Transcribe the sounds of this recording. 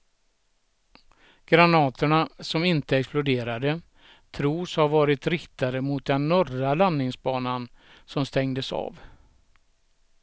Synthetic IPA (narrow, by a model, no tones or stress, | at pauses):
ɡ̥ɾanɑːt̪ʰəɳasɔmɪnt̪əɛksplʊd̪eːɾad̪ə | t̪ʰɾuːshaɾvɑːɾɪt̪ɾɪkt̪aɾəmʊt̪̚d̪ɛnːɔralanːɪŋsbɑːnan | sɔmst̪ɛŋd̪əsɑ̰ːv